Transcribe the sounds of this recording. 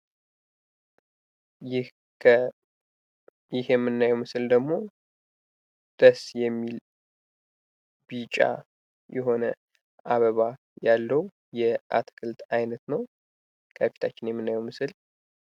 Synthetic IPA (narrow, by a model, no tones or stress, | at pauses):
jɪhʰ | jɪhjɛmːɨnːajɛwmɨsɨld̪əɡmo̞ | d̪̥əsjɛmːil | b̥it͡ʃʼa̰ | jɛɦo̞nə | ʔaβəβa | jalːəw | jɛʔat̪ʰkʰɨlt̪ʰʼajnət̪nəw | kʼəfi̥t̪ʰat͡ʃːɪnjɛmːɨnːajɛwmɨsɨl